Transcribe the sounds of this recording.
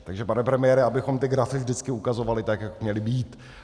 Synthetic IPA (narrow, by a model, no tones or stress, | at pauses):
t̪aɡʒɛpanɛpɾɛmɪjɛɾɛabɪxo̞mt̪ɪɡɾafɪvʒdɪt͡skɪukazo̞valɪt̪akjakmɲɛlɪbiːt̪